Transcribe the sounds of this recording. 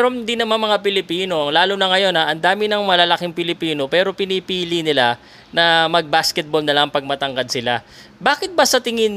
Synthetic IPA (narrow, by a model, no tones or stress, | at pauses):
ɾond̪inɐmanmɐŋapɪlɪpiːno̞ɐŋlaːlonɐŋɐjo̞nɐʔɐnd̪aːmɪnɐŋmɐlalɐkɪŋpɪlɪpiːno̞pɛːɾo̞pɪnipiːlinɪla | nɐmɐɡ̚baskɛt̪̚bolnɐlaɐŋpɐɡ̚mɐt̪ɐŋɡɐd̪̚sɪla̰ | baːkɪt̪̚bɐsɐt̪ɪŋɪn